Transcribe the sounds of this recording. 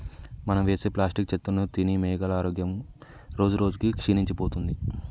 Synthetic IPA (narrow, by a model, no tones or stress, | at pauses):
mɐnɐmʋeːseplaːsʈik̚t͡ʃet̪ːunːut̪inimeːɡɐlaːɾoːɡjɐm | ɾo̞ːd͡ʒuɾo̞ːd͡ʒukikʂiːniɲt͡ʃipoːt̪und̪i